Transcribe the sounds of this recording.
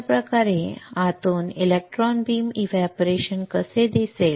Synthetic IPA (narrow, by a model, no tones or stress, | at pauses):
pɾəkaɾeat̪oːnilek̚ʈɾɔnbiːmiʋɛpɾeɕənkəsed̪isel